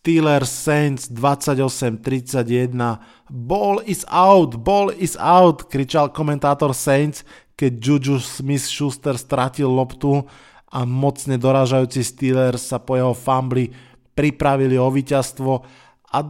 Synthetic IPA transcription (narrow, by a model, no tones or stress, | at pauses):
t̪iːlɛɾsɛnt͡sd̪ʋat͡sːaɟɔsɛmt̪ɾit͡saɟjɛd̪na | bɔlizaʊt̪bɔlizaʊt̪kɾit͡ʃalkɔmɛnt̪aːt̪ɔɾsɛjnt͡s | kɛɟd͡ʒud͡ʒusmisʃust̪ɛɾst̪ɾacilːɔpt̪u | amɔt͡sɲɛd̪ɔɾaːʒajuːt͡sist̪iːlɛɾsapɔjɛɦɔfambli | pɾipɾaʋiliɔʋiːcast̪ʋɔ | a